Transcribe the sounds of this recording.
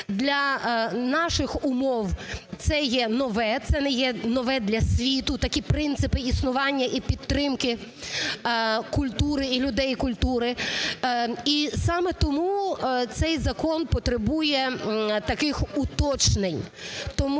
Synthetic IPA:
d̪lʲɐnɑʃɪxʊmɔwt̪sɛjɛnɔʋɛt̪sɛnɛjɛnɔʋɛd̪lʲɐsʲʋʲit̪ʊt̪ɐkʲipɾɪnt̪sɪpɪisnʊʋɑnʲːɐʔipʲid̪t̪ːɾɪmkɪ | kʊlʲt̪uɾɪilʲʊd̪ɛjkʊlʲt̪uɾɪ | isɑmɛt̪ɔmut̪sɛjzɐkɔnpɔt̪ɾebujɛt̪ɐkɪxut̪ɔt͡ʃnenʲt̪ɔm

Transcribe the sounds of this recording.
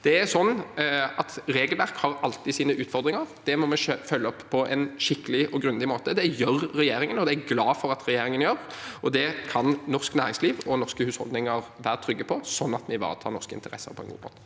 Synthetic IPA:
d̪̥ɛæsɔnːɑt̪ɾeːɡəlʋæɾkhɑɾɑlt̪ɪsiːnəʔʉːt̪fɔɾd̪ɾɪŋəɑɾd̪̥ɛmɔmɛøfœlːəɔpːpʰːɔʔɛ̰nʃɪkːəlɪʔɔɡɾʉnlɪmoːt̪əd̪ɛjøɾːɛjeːɾɪŋənɔd̪ɛæɾɡlɑːfɔɾɑt̪ɾɛjeːɾɪŋənjøːɾʔɔd̪ɛkʰɑnnɔʁsknæːɾɪŋsliːʋɔnɔskəhʉːshɔ̰ld̪ɪŋɑɾʋæːɾət̪ʰɾʏɡːəpʰɔsɔnːɑt̪mɪʋɑ̰ːʁt̪ʰɑ̰ːnɔskəɪ̰nt̪əɾɛ̰sːə̰ɾpʰɔɛnɡṵːbʰɑ̰l

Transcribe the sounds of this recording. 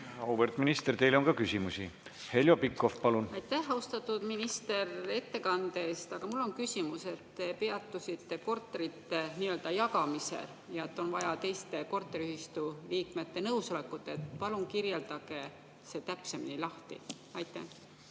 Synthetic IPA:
ɑwvert̪minist̪ert̪e̞jlonŋkɑkysimusi | he̞ljopikːˑofpɑlunɑjt̪ːˑæhɑust̪ɑt̪ːˑud̪̥minist̪e̞re̞t̪ːe̞kɑnd̪eːst̪ɑɡ̥ɑmulːo̞nkysimuse̞t̪ːepe̞ɑt̪ˑːusit̪ːe̞ko̞rt̪ːˑeɾit̪ːe̞niːøld̪̥ɑjɑkɑmisḛl | jɑe̞t̪ːˑo̞nvɑjɑt̪e̞jst̪e̞ko̞rt̪ːˑeɾiyhist̪uliːkme̞t̪ːe̞nɤwso̞le̞kːˑut̪ːˑeet̪pɑluŋkirje̞ld̪̥ɑɡ̥e̞ | se̞t̪æpse̞minilɑht̪ḭ | ɑjt̪ːˑæ̰h

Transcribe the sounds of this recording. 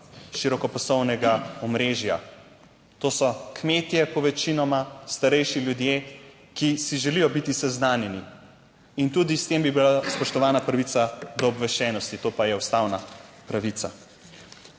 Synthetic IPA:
ʃiɾɔkɔpɔsɔwnɛɡaɔmɾeːʒja̰ | t̪oːsɔkmeːt̪jɛpɔʋɛt͡ʃinɔmast̪aɾɛjʃiljud̪je | kisiʒɛlijɔbit̪isɛznaːnjɛni | int̪ud̪ist̪embibilaspɔʃt̪ɔʋaːnapɾɐʋisad̪ɔːbʋɛʃɛːnɔst̪it̪oːpajɛust̪awnapɾaʋit̪sa̰

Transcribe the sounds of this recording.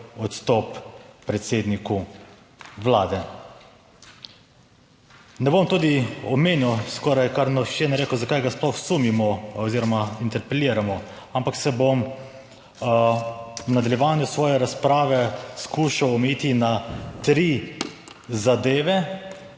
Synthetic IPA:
ɔt̪st̪ɔpːɾɛt̪seːd̪niku | ʋlaːd̪ɛ | nɛbomt̪uːd̪iɔmeːnjiwskɔːɾajkaɾnɔt͡ʃɛnɛɾeːkuzakajɡasplɔxsumimɔɔziːɾɔmaint̪ɛɾpɛliːɾamɔ | ampaksɛbom | wnad̪aljɛʋaːnjusʋɔːjɛɾaspɾaːʋɛskuːʃawɔmɛjiːt̪inat̪ɾiː | zad̪eːʋɛ

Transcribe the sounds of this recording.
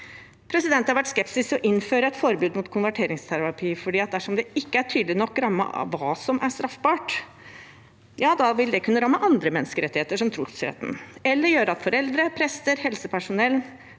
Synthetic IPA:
pʰɾɛsɪd̪ɛnt̪hɑɾʋæʈskɛpsɪsɔʔɪnːføːɾəɛt̪fɔɾbʉːd̪mʊt̪kʰʊnʋæʈʰeːɾɪŋst̪ʰæɾɑpʰiːfɔɖiːɑt̪̚d̪æʂɔmd̪ɛɪkːəæʈʰyːd̪lɪnɔkːɾɑmːə̰ɑ̰ʋːɑːsɔmʔæʂt̪ɾɑfbɑːʈ | jɑːd̪ɑʋɪld̪ɛkʉnːəɾɑmːəʔɑnd̪ɾəmɛnːəskəɾɛt̪ːɪheːt̪əʂɔmt̪ʰɾuːt̪sḛːt̪n̩ɛlːəɾjøːɾəɑt̪fɔɾɛld̪ɾəpʰɾɛst̪əɾhɛlsəpʰæʂʊnɛl

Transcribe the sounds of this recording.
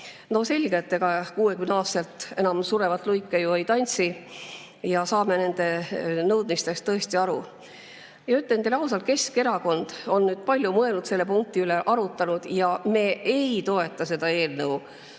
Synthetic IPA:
no̞se̞lʲɡ̥et̪ːe̞ɡ̥ɑkuːe̞kymnɑːst̪elt̪ˑe̞nɑmsuɾe̞vɑt̪ːˑlujkːˑejuejt̪ɑnʲsi | jɑsɑːme̞ne̞nd̪̥e̞nɤwd̪̥̚mist̪e̞st̪ːɤ̞est̪iɑɾu | jɑyt̪lend̪̥elɑwsɑlke̞ske̞ɾɑko̞nd̪̥o̞nːyːd̪̥̚pɑlʲjumɤelnut̪se̞lːe̞puŋk̚t̪iyle̞ʔɑɾut̪ːˑɑnud̪̥jɑme̞ːejt̪o̞e̞t̪ːˑɑse̞d̪̥ɑe̞ːlnɤw

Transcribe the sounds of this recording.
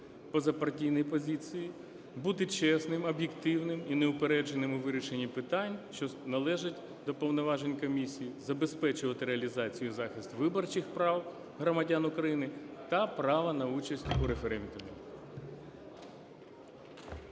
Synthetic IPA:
pɔzɐpɐrtʲijnɔjpɔzʲit͡sʲiji | but̪ɪt͡ʃɛsnɪmɔbjekt̪ɪwnɪmineʊpeɾɛd͡ʒenɪmʊʋɪɾʲiʃenʲːipɪt̪ɑnʲʃt͡ʃɔnɐlˠɛʒɪtʲ | d̪ɔpɔwnɔʋɑʒenʲkɔmʲisʲijizɐbe̞spɛt͡ʃʊʋɐt̪ɪɾeɐlʲizɑt͡sʲijuzɑxist̪ʋɪbɔrt͡ʃɪxpɾɑw | ɦɾɔmɐdʲanʊkɾɐjinɪt̪ɐpɾɑʋɐnɐut͡ʃɐsʲtʲuɾefeɾɛnd̪ʊmʲi

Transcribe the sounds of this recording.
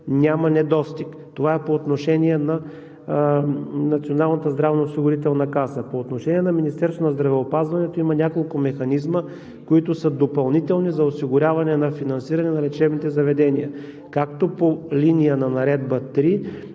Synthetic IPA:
nʲamɐnɛd̪ɔst̪ik | t̪ovaɛpoːt̪noʃɛniɛnɐ | nɐt̪sionalˠnət̪əzd̪ɾavnoːsiɡʊɾit̪ɛlˠnɐkasəpoːt̪noʃɛniɛnɐminist̪ɛɾsvonɐzd̪ɾɐvɛopazvɐnɛt̪oimɐnʲakolˠkʊmɛxɐnizmə | koit̪ʊsəd̪opɐlˠnit̪ɛlˠnizɐosiɡʊɾʲavɐnɛnɐfinɐnsiɾɐnɛnɐɾɛt͡ʃɛbnit̪ɛzɐvɛd̪ɛniə | kakt̪opolinijənɐnɐɾɛd̪bət̪ɾi

